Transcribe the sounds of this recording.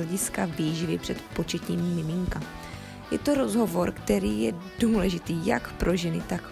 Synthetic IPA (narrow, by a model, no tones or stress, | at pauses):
ɛɟɪskaviːʒɪvɪpr̥ɛt̪po̞t͡ʃɛc̪ɲiːmːɪmɪŋka | jɛt̪o̞ɾo̞zɦo̞vo̞ɾkt̪ɛɾiːjɛduːlɛʒɪt̪iːja̰kpɾʔo̞ʒɛnɪt̪ak